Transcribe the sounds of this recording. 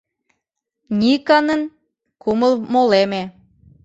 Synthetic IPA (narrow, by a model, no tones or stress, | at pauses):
nʲikɑnən | kuməlmoleme